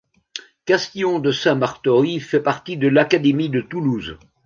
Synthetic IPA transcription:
kast̪jɔ̃d̪əsɛ̃maʁt̪ɔʁifɛpaʁt̪id̪əlakad̪emid̪ət̪uluz

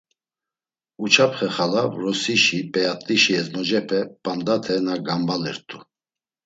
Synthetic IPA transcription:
ut͡ʃʰapʰχɛχalavɾɔsiʃipʼɛjat̪ʼiʃiɛznɔd͡ʒɛpʰɛpʼamd̪at̪ʰɛnaɡambalɛ̰ɾt̪ʼu

